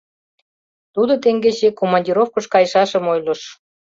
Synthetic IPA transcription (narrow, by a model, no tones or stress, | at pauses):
t̪ud̪ot̪eŋɡet͡ɕekomɑnʲdʲiɾofkəʃkɑjʃɑʃə̆mojlə̆ʃ